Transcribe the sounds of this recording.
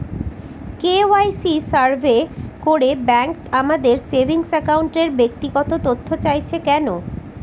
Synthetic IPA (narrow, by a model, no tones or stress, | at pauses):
keoajsisaɾbʱekoɾebɛŋkamad̪eɾsebʱiŋsɛkawɳʈeɾbek̚t̪iɡɔt̪ot̪ot̪ʰːot͡ɕajt͡ɕʰekɛno